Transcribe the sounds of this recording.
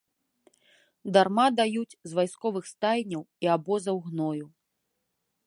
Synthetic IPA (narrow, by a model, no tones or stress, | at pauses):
d̪armad̪ajut͡sʲzvajskɔvɨxst̪ajʲnʲɐwiabɔzɐwɣnɔju